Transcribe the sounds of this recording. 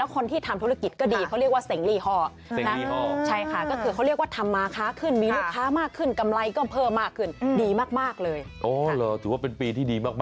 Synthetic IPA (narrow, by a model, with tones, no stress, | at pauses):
lɛ˦˥wkʰo˧nt̪ʰiː˥˩t̪ʰa˧mt̪ʰu˦˥a˧˩ki˨˩t̪̚kɔː˥˩diː˧kʰa˦˥wɾi˥˩ək̚waː˥˩se˨˩˦ŋliː˥˩hɔː˥˩˨ | na˦˥˧ɔ˧˩t͡ɕʰa˥˩jkʰa˥˩kɔː˥˩kʰɯː˧kʰa˦˥wɾi˥˩ək̚waː˥˩t̪ʰa˧mːaː˧kʰaː˨˦˥kʰɯ˥˩nmiː˧lu˥˩kʰːaː˨˦˥maː˥˩kʰːɯ˥˩nka˧mla˧jkɔː˥˩pʰɤː˥˩mːaː˥˩kʰːɯ˥˩ndiː˧maː˥˩k̚maː˥˩k̚lɤː˧jʔɔː˨˧˩lɤː˨˩t̪ʰɯ˨˩˦waː˥˩pe˧npiː˧t̪ʰiː˥˩diː˧maː˥˩mː˥